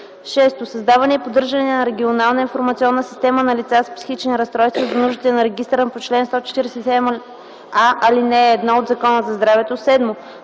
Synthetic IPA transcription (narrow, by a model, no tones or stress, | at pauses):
ʃɛst̪osɐzd̪avɐnʲɛːpod̪ɤɾʒənɛnɐɾɛɡʲionalˠnəinfoɾmɐt̪siɔnːəsi̥st̪ɛmənɐlit̪saspsi̥xit͡ʃnʲiɾɐst̪ɾɔjst̪vozɐnuʒd̪it̪ɛnɐɾɛɡ̟ist̪ɾənpot͡ʃlɛnst̪ɔt͡ʃɛ̥t̪iɾɛsɛt̪sɛd̪ɛm | aʔɐlinɛːd̪nood̪zɐkɔnəzɐzd̪ɾavɛt̪osɛd̪mo